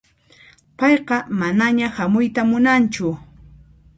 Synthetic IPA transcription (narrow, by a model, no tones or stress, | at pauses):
pɑjqɑmanaɲahamʊjt̪amʊnant͡ʃʊ